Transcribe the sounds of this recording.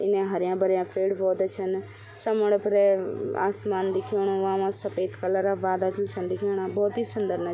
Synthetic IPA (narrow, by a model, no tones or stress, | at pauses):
ɪnẽɦɐɾjãːbɐɾjãːfʰeːɽʋoːd̪t͡ʃʰɐn | sɐməɽ̃pɾea̰ːsmaːnd̪ɪkʰoːɽ̃õʋãːʋãːsɐpeːt̪kɐləɾaʋaːd̪atəlt͡ʃʰənd̪ɪkʰoːɽ̃ãbɔːt̪iːsʊnd̪əɾna